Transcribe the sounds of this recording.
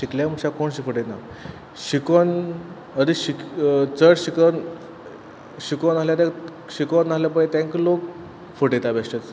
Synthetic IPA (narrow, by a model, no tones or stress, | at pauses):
ɕikljaməɕakoɳɕifəʈena | ɕikon | əd̪iɕikt͡səɽɕikən | ɕikonaɦljat̪e | ɕikonaɦljapəɽet̪ãŋklok̚ | fəʈet̪abeʂʈet͡s